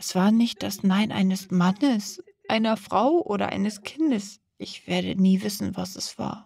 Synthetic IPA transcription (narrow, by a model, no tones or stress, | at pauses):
ʔɛsv̥aːɐnɪçt̚d̥asnaɪnʔa̰ɪnəsmanəs | ʔaɪnɐfʁ̥aʊʔoːɾɐ̰ʔa̰ɪnəskʰɪndəs | ʔɪçv̥eːɐdə̰niːvɪsn̩vasɛsv̥a̰ːɐ